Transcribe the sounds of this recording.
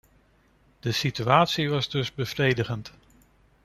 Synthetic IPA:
d̥əsityaːtsiʋɑzdɵzbəvrejdəχənt

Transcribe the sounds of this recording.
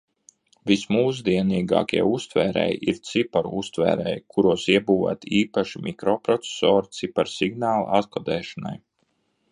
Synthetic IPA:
vismuːs̬d̪iɛniːɡɑ̰ːkʲiɛust̪vɛːɾɛ̰jiɾt̪sipɔɾust̪vɛ̰ːɾɛ̰jkʰuɾuɔsiɛbuːva̰t̪iːpaʃimʔikɾɔpɾɔt̪se̥sɔːɾt̪sipaɾsiɡnaːl̰ˠat̪kɔd̪ɛːʃana̰j

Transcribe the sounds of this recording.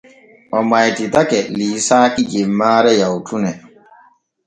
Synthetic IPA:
ʔɔmajtitakɛliːsaːkid͡ʒimːaːɾɛjawtunɛ

